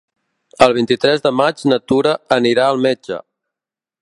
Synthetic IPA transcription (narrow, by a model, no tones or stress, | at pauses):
əlˠβ̞int̪it̪ɾɛzðəmad͡ʒnət̪uɾəəniɾaəlˠmɛd͡ʒə̰